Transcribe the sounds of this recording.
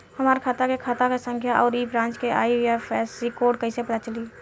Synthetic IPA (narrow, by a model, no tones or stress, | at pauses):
həmaːɾkʰat̪akekʰat̪akesə̃ŋkʰjaʔɔːɾiːbɾãːnt͡ʃkea̰ːijapʰɛːsikoːɖ̚kəɪsepɽat͡ʃəliː